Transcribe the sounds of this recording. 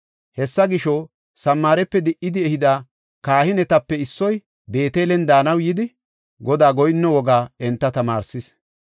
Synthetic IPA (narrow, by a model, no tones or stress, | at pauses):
hɛsːɐɡɪʃɔ | sɐmːaːɾɛpːɛd̪ɪʔɪd̪ɪɛhɪd̪aː | kaːhɪnɛt̪ɐpːɛɪsːɔj | be̞ːt̪eːlɛnd̪aːnɐwjɪd̪ɪ | ɡɔd̪aːɡɔjnːɔwɔɡaːɛnt̪ːɐt̪ɐma̰ːɾsɪs